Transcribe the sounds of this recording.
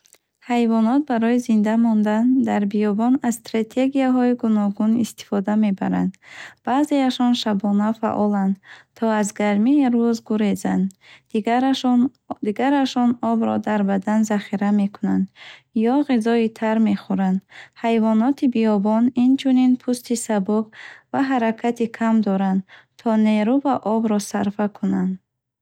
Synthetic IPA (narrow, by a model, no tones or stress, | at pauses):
hajvɔnɔt̪̚baɾɔizind̪amɔnd̪and̪aɾbiɔbɔnasst̪ɾat̪ʰe̞ɡijaɦɔiɡunɔɡunist̪i̥fɔd̪ame̞ba̰ɾa̰nd̪b̥aze̞aʃɔnʃabɔnafa̰ʔɔland̪t̪ʰɔazɡaɾmiɾuzɡuɾezand̪ | d̪iɡaɾaʃɔnɔbɾɔd̪aɾbad̪anzaχiɾame̞kʰunand̪jɔʁizɔit̪ʰaɾme̞χuɾand̪hajvɔnɔt̪ʰibiɔbɔnint͡ʃʰuninpʰust̪isabuɡvaɦaɾakʰat̪ikʰamd̪ɔɾand̪ | t̪ʰɔne̞ɾuvaʔɔbɾɔsaɾfakʰunand̪